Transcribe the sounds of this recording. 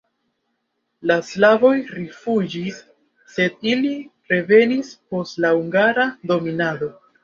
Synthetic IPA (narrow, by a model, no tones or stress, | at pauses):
laslavo̞jɾifud͡ʒisː | e̞d̚iliɾe̞ve̞nispo̞stlauŋɡaɾado̞minado̞